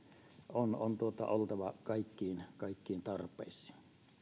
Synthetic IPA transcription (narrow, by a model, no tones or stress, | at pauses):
onont̪uot̪ɑ̰olt̪ɑʋɑkɑˑikːiːnkɑˑikːiːnt̪ɑrpˑḛˑisˑi̥ːn